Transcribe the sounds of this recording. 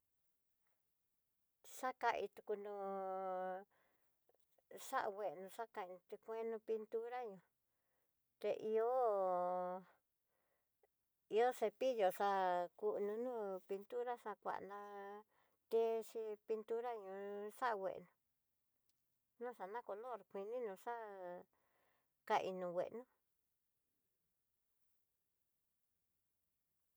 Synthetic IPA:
ʂa˦ka˧ʔi˧t̪u˧ku˧nũ˧ | ʂa̰˦ʔwe˧˨˧nũ˧ʂa˦ka˧ĩ˧t̪i˧kʷẽ˦nũ˧pi˧nt̪u˦ɾa˦ɲũ˧ | t̪e˧ʔi˧o˦ | i˧o˦ʂe˧pi˦jo˧ʂa˧ku˧ʔnũ˧nũː˦pi˧nt̪u˦ɾa˦ʂã˧kʷa̰˨ʔnã˧ | t̪e˦ʂi˧pi˧nt̪u˦ɾa˦ɲũ˧ʂa˦ʔwʷḛ˨ʔnũ˧ | nũ˦ʂa˧nã˦ko˧lo˦˨ɾkʷi˧nĩ˦nũ˧ʂa˦ | ka˧ʔḭ˧nũ˧wʷḛ˨ʔnũ˦

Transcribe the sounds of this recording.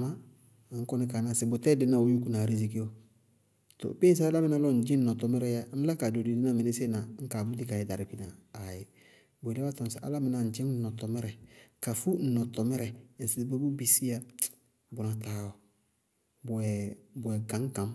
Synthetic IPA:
ma˦˨ | ŋ̩˦kɔ˦nɪ˦ka˨na˨sɪ˨bʊ˨tɛ˦dɪ˦na˦˨o˦ju˦ku˦na˨ɾi˦zi˨ke˦o˨ | to̰˨pe˦n˦s̬a˦a˦la˦mɪ˦na˦lɔ˦n̩˨d͡ʒɪ˦n̩˦˨ɔ˨tɔ˨mɛ˦ɾɛ˦ja˦n̩˦la˦ka˨do˨di˨dɪ˦na˦˨mɪ˨nɪ˦sɪ˦na˨˦ŋ̩˦kaː˨bu˦di˦ka˨jɛ˨da˨ɾɪ˨ki˦naː˨jɪ˨ | bʊ˨lɛ˦a˦tɔ˨sɪ˨ʔa̰˦la˦mɪ˨na˨n̩˨d͡ʒɪ̃˦n̩˦ɔ˨tɔ˨mɛ˦ɾɛ˨ka˨fu˦n̩˨nɔ˨tɔ˨mɛ˦ɾɛ˨n̩˨sɪ˨˦bo˦bu˦bi˨si˦ja˦ | bʊ˨na˨taː˨˦ɔ˨ | bʊ˨ɛ˨bʊ˨ɛ˨ɡã˨˦ŋ˦kã˨m

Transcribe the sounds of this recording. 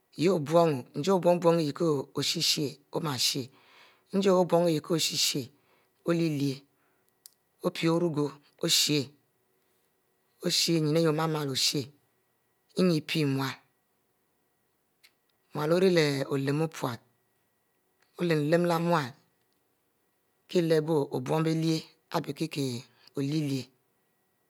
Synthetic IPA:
je˦o˨bo˦ŋo˨n̩˦d͡ʒe˦o˦bʷo˦ŋo˦bwo˦ŋe˨ji˨ko˦o˨si˦ʃi˦e˨o˦ma˨ʃe˨ | n̩˦d͡ʒe˦o˦bʷo˦ŋe˦je˨kʰo˦o˨si˦ʃi˦e˨ | o˦li˦li˨e˨ | o˦pʰi˨o˦ɾu˦ɡo˨ | o˦ʃi˦e˦ | o˦ʃi˦e˦˨ɲi˨ne˦jo˨ma˦ma˨lo˨ʃe˦ | i˦ɲi˨pʰi˦˨mʷ˨a˨l | mʷ˨a˨lo˦ɾi˦le˨o˨le˨mo˦pʰwa˨t̚ | o˦le˨n˨le˦mla˦mwa˨l | ki˦˨le˨bo˦o˨bwo˦ŋ˦be˦li˦e˦ | a˦˨bi˨ki˦ke˨ | o˨li˦li˦e˨

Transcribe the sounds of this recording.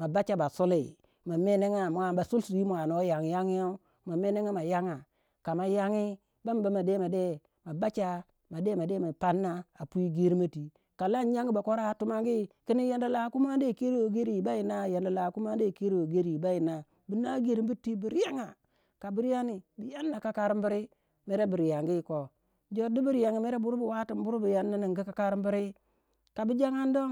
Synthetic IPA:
ma˨ba˦t͡ʃa˦ba˨so˦lḛ˨ | ma˨me˦ne˦ŋa˦m˨a˨ba˨su˦lsu˨ji˦mu˨a˨no˦ja˨ŋi˨ja˦ŋi˦a˦ | ma˨me˦ne˦ŋa˦ma˨ja˦ŋa˨ | ka˨ma˨ja˦ŋi˦ | ba˦m˦ba˨˦ma˨de˦ma˨de˦˨ | ma˨ba˦t͡ʃa˦ | ma˨de˦ma˨de˦ma˨pa˦nːa˦a˨pu˦i˦ɡe˦ɾi˦ma˦ti˨ | ka˨la˦n˦ja˦ŋɡi˦ba˨ko˦ɾa˦tu˦ma˦ŋɡi˦ki˦ni˦ja˨nda˨la˨˦ku˦ma˦n˦de˦˨ke˦ɾi˦wo˨ɡe˦ɾi˦˨ba˦ji˨na˦ja˨nda˨la˨ku˦ma˦de˦˨ke˦ɾi˦wo˨ɡe˦ɾi˨ba˦ji˨na˨ | bi˨na˦ɡe˦˨ɾi˦mbi˦tːi˦bi˨ɾja˦ŋa˨ | ka˨bi˦ɾja˦ni˨bi˨ja˦nːa˨ka˦ka˦ɾi˦mbi˦ɾi˦ | me˦ɾe˦bi˨ɾja˨ŋɡi˦˨ko˨ | d͡ʒo˦di˦bi˦ɾja˨ŋa˨me˦ɾe˦bu˦ɾu˦bu˨wa˦ti˨mbu˦ɾu˦bi˨ja˦nːa˦ni˨ŋɡi˦ka˨˦ka˦ɾi˦mbi˦ɾi˦ | ka˨bi˦d͡ʒa˦ŋa˦n˦do˦ŋ

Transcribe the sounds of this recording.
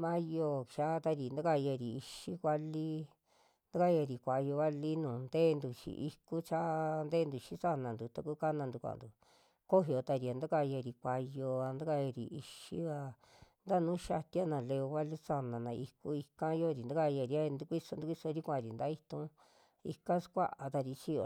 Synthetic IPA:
mã˦jo˧˨ʃa˦t̪a˧ɾi˨nd̪a˦ka˧ja˧˨ɾi˨i˧ʃi˦kʷa˦li˦ | nd̪a˦ka˦ja˧˨ɾi˨kʷa˧jo˧βa˦li˦nũː˨nd̪e˦˧nd̪u˧t͡ʃḭ˧ʔi˧ku˦t͡ʃa˦nd̪eː˦nd̪u˧ʃĩ˦sa˦nã˨nd̪u˨t̪a˧ku˦ka˦nã˧nd̪u˧kʷã̰˨nd̪u˨ | ko˦ɦi˧o˧t̪a˧ɾi˧a˨˧nd̪a˦ka˧ja˧˨ɾi˨kʷa˧jo˧a˧nd̪a˦ka˦˧ja˧ɾḭ˨i˧ʃi˦βa˧ | nd̪a˦nũː˦ʃa˧t̪i˦a˦nã˧˨le˧o˧βa˦li˦sa˧nã˨nã˧i˧ku˦i˧kã˦jo˦ɾi˨nd̪a˦ka˦˧ja˧˨ɾi˧a˦˧nd̪u˦kʷi˦so˧nd̪u˦kʷi˦so˧ɾi˦kʷã˧˨˧ɾi˨nd̪a˦i˦t̪ũ˦ | ḭ˧kã˦skʷa˦ʔa˧t̪a˧ɾi˧t͡ʃi˦o˧˨

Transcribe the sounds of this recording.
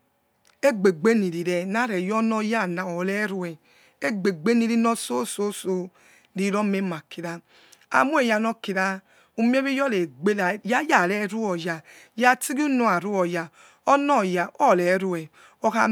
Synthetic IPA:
e˦ɡ͡be˨ɡ͡be˦ni˨ɾi˨ɾɛ˨na˦ɾɛ˨jɔ˦nɔ˦ja˦˨na˨ɔ˨lɛ˦ɾu˨ɛ˨ | e˦ɡ͡be˨ɡ͡be˦ni˧ɾi˦nɔ˦so˦so˦so˨ | ɾi˨˦ɾɔ˦me˦ma˨ki˨ɾa˦ | a̰˨mu˦e˦˨ja˧nɔ˦ki˨ɾa˦ | u˦˨mi˦e˦βi˦jɔ˦le˨ɡ͡be˦lja˦ja˨lɛ˦ɾu˦ɔ˨ja˨ja˦ti˦ɡi˦u˦no˨a˨ɾu˦ɔ˨ja˨ | ɔ˦nɔ˦˨ja˨ʔɔ˦˨lɛ˨˦ɾu˨ɛ˨ | ɔ˨˧ka˨

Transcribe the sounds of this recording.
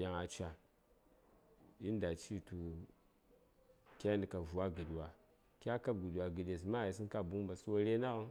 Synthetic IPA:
ja˨ŋa˨t͡ʃa˨ | i˦n˦da˨t͡ʃi˦tu˨ | kʲa˦ndi˨ka˨vu˨wa˦ɡi˨dwa˨ | kʲa˦ka˦b̚ɡu˨ɗwa˨ɡi˨de˨s̬ma˦˨i˨s̬i˦n˦ka˦bu˦ŋ˦ba˨su˦wo˦ɾe˦na˦ɣə˦n

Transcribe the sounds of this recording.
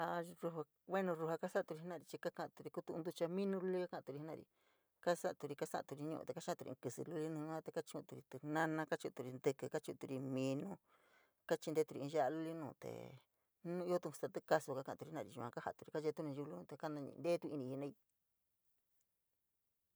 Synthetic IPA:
a˧ɾu˧ɦa˧ | βwe˦nũ˧ɾu˧ɦa˧ka˦sa˦˧t̪u˧ɾi˧nã˦˧ɾi˧t͡ʃi˧ka˦kã˧ʔt̪u˧ɾi˧ku˦t̪ũ˧d̪u˧t͡ʃa˧mĩ˦nũ˧lu˦li˦ka˦kã˧ʔt̪u˧ɾi˧nã˦˧ɾḭ˧ | ka˦sa˦ʔt̪u˧ɾi˧ka˦sa̰˦ʔã̰˧˨t̪u˧ɾi˧ɲũ˧ʔ̪e˨ka˦ã˦˧u˧ɾḭ˧kɨ˧sɨ̰˧lu˦li˦nũː˧˦ã˦t̪e˧ka˦t͡ʃːt̪u˧ɾi˧t̪u˧nã˦nã˧ka˦t͡ʃũ˧t̪u˧ɾi˧nd̪ɨ˧kɨ˧ka˦t͡ʃũ˧t̪u˧ɾi˧mĩ˧nũ˦ | ka˦t͡ʃi˧nd̪e˦t̪u˧ɾi˧ĩ˧ʒa˦ʔa˧lu˦li˦nũː˧˨t̪ḛ˨ | nũ˦i˦o˦t̪ũ˧st̪a˧t̪ɨ˦ka˧su˧ka˦kã˧˨˧t̪u˧i˧nã˧ḭ˧˨u˧kã˧ka˦ha˧˨t̪u˧ɾi˧ka˦t͡ʃe˧˦t̪u˦nĩ˧ʒu˧lu˧˦nũ˧t̪e˧ka˦nã˧ɲḭ̃˧nd̪e˦t̪u˦˧i˧nĩ˧i˧nã˦˧i˧

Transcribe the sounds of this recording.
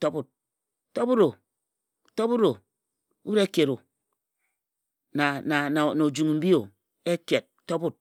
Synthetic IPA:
to˦bu˦t̚ | to˦bu˦ɾo˨ | to˦bu˦ɾo˨ | u˦u˦ɾe˦ke˨ɾo˨ | na˨na˨na˨no˨d͡ʒu˨ŋ˨m̩˦bi˦o˨ | e˦ke˨t̚to˦bu˦t̚

